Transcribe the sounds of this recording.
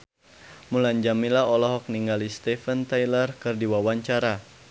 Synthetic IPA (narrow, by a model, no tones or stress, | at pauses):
mulaɲd͡ʒamilaɔlɔɦɔk̚niŋɡalist̪ɛfənt̪ajlərkɨrdiwawaɲt͡ʃaɾa